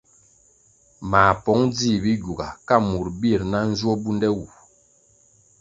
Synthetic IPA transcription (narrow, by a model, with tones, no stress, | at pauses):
ma˨pɔ˨˦ŋd͡zi˦˨bi˦ɟu˨ɡa˨ka˦˨mu˨ɾbi˦˨ɾna˦n̩˦zɔ˦bu˦ndɛ˦wu˨